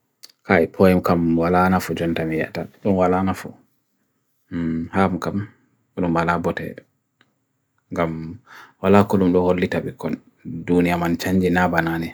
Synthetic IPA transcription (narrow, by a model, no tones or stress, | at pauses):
kaɛpʰɔjɛmkamwalanafɔd͡ʒɔntamijɛ̰ta̰ɗɔnwalanafṵ | hamkam | ɔɗumbalabɔtɛ̰ | ŋɡamwalakɔɗumɗɔholːitabɛkːɔn | dunijamant͡ʃaɲd͡ʒinabananɛ